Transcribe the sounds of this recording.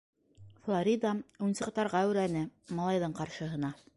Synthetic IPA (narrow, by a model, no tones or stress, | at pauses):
flˠoɾʲid̪ɑunsɤ̆qt̪ɑɾʁɑʉɾænɘmɑlˠɑjðɤɴqɑɾʃɤ̆ɦɤ̆nɑ